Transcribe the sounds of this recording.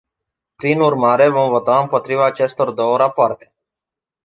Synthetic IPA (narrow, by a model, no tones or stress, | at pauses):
pɾinurmaɾe̞vo̞mvo̞t̪aɨmpo̞t̪ɾivaːt͡ʃe̞st̪o̞rd̪o̞wəɾapoart̪e̞̥